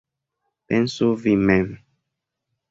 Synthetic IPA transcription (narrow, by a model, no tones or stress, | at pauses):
pɛ̃nsovimɛ̃m